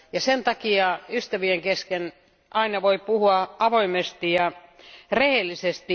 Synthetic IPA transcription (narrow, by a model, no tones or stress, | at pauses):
jɑsent̪ɑkiɑyst̪æʋieŋkesken | ɑinɑʋoipuhuɑʔɑʋoimest̪ijɑrehelːisest̪i